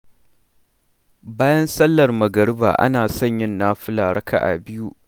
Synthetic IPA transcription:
baː˦jɐ˦nsɐ˦lːɐ˨rmɐ˨ɡɐ˨ɽɪ˦ba̰ː˨ʔa̰˦naː˨sɐ˦˨ɲjɪ˦nːaː˦ɸɪ˦laː˨ɽɐ˦ka̰˨ʔa̰˨bɪ˦ju˦ʔ

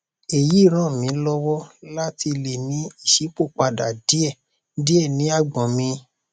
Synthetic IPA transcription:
e˨ji˨˦˨ɾ̃ã˦˨mĩ˨˦lɔ˦wɔ˦la˦ti˧le˨nĩ˨˦i˦˨ʃi˨˦k͡po˦˨k͡pa˧da˨di˨˦ɛ˦˨˦ | di˦ɛ˦˨nĩ˨˦a˦˨ɡ͡bã˨mĩ˧

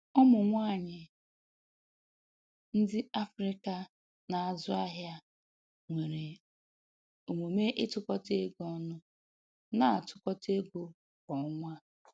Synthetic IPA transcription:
ʊ˦mʊ˨ŋʷa˦˨ɲɪ˨ | n̩˦dɪ˦a˦fɾɪ˦ka˦ | na˨a˨zʊ˦a˦ɦja˦ | ŋʷe˨ɾe˨ | o˨mo˨me˦ʔɪ˦tʊ˦kɔ˦te˦ɡɔ˦nʊ˦ | na˨a˨tʊ˨kɔ˦te˦ɡo˦ | kɔ˨ʊ˦ŋʷa˦

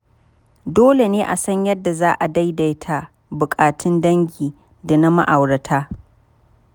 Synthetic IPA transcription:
doː˦le˨neː˦ʔa˨sɐ˦ɲjɐ˦dːa˨zaː˦ʔa˨da˦jda˨jtʰaː˦ | bʊ˨kʼaː˨tʰɪ˦ndɐ˦ŋɡʲiː˨ | da˨na˦ma̰˦ʔa˨wɽɐ˨tʰaː˦

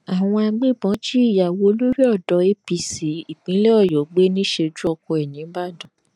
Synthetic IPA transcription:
a˨w̃ɔ̃˧a˧ɡ͡bẽ˦bɔ̃˨˦ti˦i˦˨ja˨wo˨˧lo˦ɾi˦ɔ˦˨dɔ˧˦e˦pi˧si˨˦i˦˨k͡pĩ˨˦lɛ˦ɔ˦˨jɔ˨˦ɡ͡be˦nĩ˦ʃe˧d͡ʒu˦ɔ˧kɔ˧ɛ˨nĩ˨˦ba˦˨dɔ̃˨

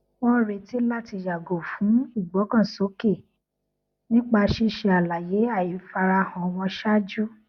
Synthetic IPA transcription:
wɔ̃˦ɾe˧ti˦la˦ti˧ja˨ɡo˨fũ˨˦i˦˨ɡ͡bɔ˨˦kã˦˨so˨˦ke˦˨ | nĩ˦k͡pa˧ʃi˦ʃe˧a˨la˨je˨˦a˦˨i˨fa˧ɾa˧hã˨w̃ɔ̃˧ʃa˦d͡ʒu˦

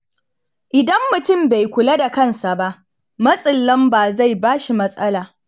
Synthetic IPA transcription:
ʔɪ˨dɐ˦mːʊ˨tʊ˦mba˨jkʷʊ˨la˦da˨kɐ˦˨nsa˨ba˦ʔ | mɐ˦sʼɪ˨lːɐ˦mbaː˨za˦˨jbaː˦ʃi˨mɐ˦sʼɐ˦laː˨

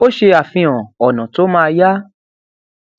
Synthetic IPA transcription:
o˦ʃe˧a˨fĩ˧ɔ̃˨ɔ˨nã˨to˨˦mãː˦˧ja˦

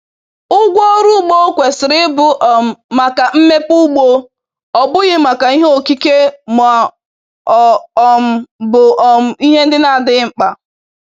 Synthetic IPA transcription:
ʊ˦ɡʷo˦ɾu˦ɡ͡bo˦kʷe˨sɪ˨ɾɪ˦bʊ˦ʔɔ˨m̩˨ma˨ka˨m̩˦me˦pu˦ɡ͡bo˦ | ɔ˨bʊ˦ɣɪ˦ma˨ka˨i˦ɦo˨ki˦ke˦ma˨ | ɔ˨ɔ˨m̩˨bʊ˨ʔɔ˨m̩˨i˦ɦe˦n̩˦dɪ˦na˦˨dɪ˦ŋ͡m̩˦k͡pa˨

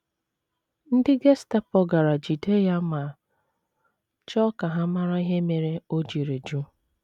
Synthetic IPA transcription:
n̩˦dɪ˦ɡe˦sta˦pɔ˦ɡa˨ɾa˨d͡ʒi˨de˦ja˦ma˨ | t͡ʃɔ˦ka˨ɦa˦ma˦ɾa˦i˦ɦe˦me˨ɾe˦o˦d͡ʒi˨ɾe˨d͡ʒu˦

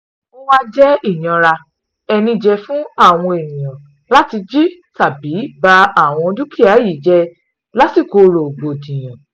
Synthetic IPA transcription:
o˦wa˦d͡ʒɛ˦i˦˨j̃ã˧ɾa˧ | ɛ˧nĩ˧d͡ʒɛ˧fũ˦a˦˨w̃ɔ̃˧e˨mĩ˨j̃ã˨ | la˦ti˧d͡ʒi˦ta˦˨bi˨˦ba˧a˦˨w̃ɔ̃˧du˦ki˦˨a˨˦ji˦˨˦d͡ʒɛ˧˦ | la˦si˦˨ko˧ɾo˨ɡ͡bo˨dĩ˨j̃ã˨

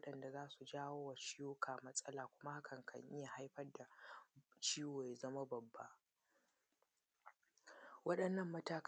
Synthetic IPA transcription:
ɗɐ˨nda˨zaː˦su˨d͡ʒaː˦woː˦wa˨t͡ʃɪ˦juː˦kʰaː˨mɐ˦sʼɐ˦laː˨kʷʊ˦ma˦ha˦kʰɐ˨ŋkʰɐ̰˨ɲʔɪ̰˦ja˨ha˦jɸɐ˦rda˨ | t͡ʃiː˦weː˨jzɐ˦ma˦bɐ˨bːa˦ʔ | wɐ˦ɗɐ˨nːɐ˦˨mːɐ˦taː˦k

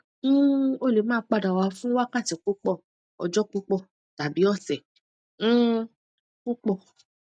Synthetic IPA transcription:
o˦˨le˨mãː˦k͡pa˧da˨wa˨˧fũ˦wa˦kã˦˨ti˨k͡pu˦k͡pɔ˦˨ | ɔ̰˨d͡ʒɔ˦k͡pu˦k͡pɔ˦˨ | ta˨bi˨˦ɔ˦˨sɛ̃˨˦ | k͡pu˦k͡pɔ˦˨

